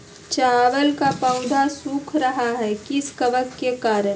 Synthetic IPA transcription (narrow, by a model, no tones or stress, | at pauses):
t͡ʃaːʋəlkapãʊd̪ʱasuːkʰɾɐɦaɦɛkɪskɐʋəkkekaːɾəɾ